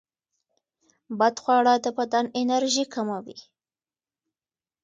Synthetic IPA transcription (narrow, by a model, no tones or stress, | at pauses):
bad̪xwɑɽɑd̪əpad̪anɪnaɾʒikamawḭ